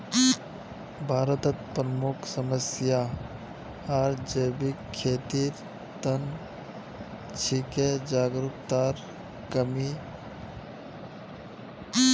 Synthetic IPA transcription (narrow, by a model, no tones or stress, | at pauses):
bʱaːɾət̪ət̪̚pɾəmʊkʰsəməsja | aːɾd͡ʒebieːt̪iːɾ | t̪ən | t͡ʃʰiked͡ʒaːɡɾʊkt̪aːɾ | kəmi